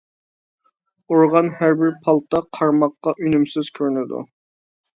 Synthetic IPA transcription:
oɾʁɑnhæɾbɪɾpʰɑlˠt̪ʰɑqʰɑɾmɑqːɑʔynymsɪz̥kʲʰøɾnɪd̪ṵ

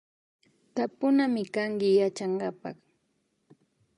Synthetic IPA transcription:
t̪apʊnamɪkaŋkɪjat͡ʃaɴɢɑpɑ̰χ

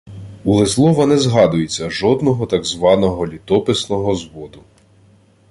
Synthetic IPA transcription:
ulˠɪslˠɔʋɐnɛzɦɑd̪ʊjet͡sʲːɐʒɔd̪nɔɦɔt̪ɑɡzʋɑnɔɦɔlʲit̪ɔpɪsnɔɦɔzʋɔd̪ʊ

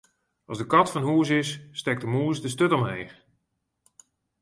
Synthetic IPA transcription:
ɑzdəkɑtfɔnɦuəsɪsːtɛk̚dəmuəs̬dəs̬tøtɔmɦejx

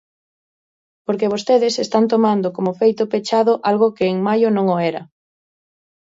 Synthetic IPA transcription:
poɾkeβ̞ost̪eðɪsest̪ant̪omand̪okomofejt̪ʊpet͡ʃaðʊʔalɣʊkeːŋmajʊnõŋoɛɾɐ̰

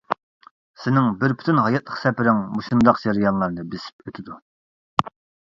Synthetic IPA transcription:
sɪnɪŋbɪɾpʰy̥t̪ʰynɦɑjɛt̪̚lˠəχsɛpɪɾɪŋmuʃund̪ɑqd͡ʒɑɾijɑnlˠɑɾnɨbɪsɪ̥p̚øt̪ʰɪd̪u

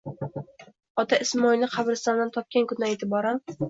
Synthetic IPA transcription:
ɒt̪ʰaʔɪsmɒjlnɪqʰɑbɾɪst̪ɒnd̪ant̪ʰɒp̚kʲankʊnaet̪ʰɪbɒɾam

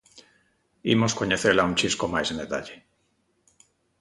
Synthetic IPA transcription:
imoskoɲeθelauɲʲt͡ʃiskomajsend̪et̪a̰ʎe

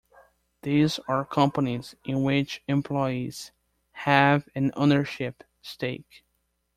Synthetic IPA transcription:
ðizə˞kʰʌ̃mpənizʔɪ̃nwɪt͡ʃɨ̃mpʰl̥ɔɪiz̥ | hævɨ̃no̰ʊnə˞ʃɪp | steɪk

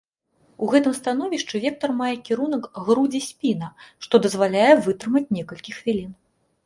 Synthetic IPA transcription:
uɣɛt̪ɨmst̪anɔvʲiʂt͡ʂɨvʲɛk̚t̪ɐrmajɛkʲiɾunɐkɣɾud͡zʲisʲpʲinɐʂt̪ɔd̪ɐzvalʲajɛvɨt̪ɾɨmɐt͡sʲnʲɛkɐlʲkʲixvʲilʲin

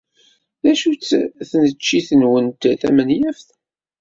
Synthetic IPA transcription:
ðæʃut͡sːθənət͡ʃːiθənwənt̪θæ̰mənjæfθ

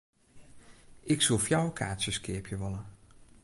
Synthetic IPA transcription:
ɪksolˠfjawkʰa̰ːtsəskɪəpʰjəʋɔlə

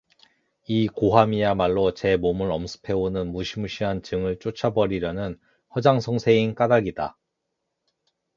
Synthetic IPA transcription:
ikoɦamijamaɭːot͡ɕe̞momɯɾʌmsʰɯ̥pʰe̞onɯnmuɕʰimuɕʰiɦant͡ɕɯŋɯɭt͡ɕ͈ot͡ɕʰabʌɾiɾjʌnɯn | hʌd͡ʑaŋsʰʌŋsʰe̞ink͈adaɡida

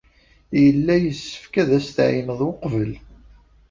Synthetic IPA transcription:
jəlːæjəsːə̥fkæðæst̪ʕiməðˤwʊqvəl

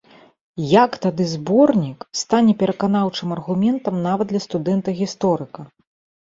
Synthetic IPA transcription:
jakt̪ad̪ɨzbɔrnʲikst̪anʲɛpʲɛɾɐkanawt͡ʂɨmɐrɣumʲɛnt̪ɐmnavɐd̪lʲɐst̪ud̪ɛnt̪ɐɣʲist̪ɔɾɨkɐ

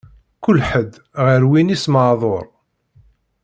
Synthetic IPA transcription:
kʊlːħəd̪ | ʁəɾwinisməðˤoɾˤ

